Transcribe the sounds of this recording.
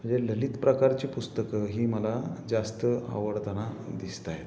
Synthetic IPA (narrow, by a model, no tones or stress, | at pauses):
m̤əɳd͡zeləlit̪pɾəkaɾt͡ɕiːpust̪əkəɦiːməlad͡zast̪əa̰ʋəɽt̪anad̪ist̪aɦet̪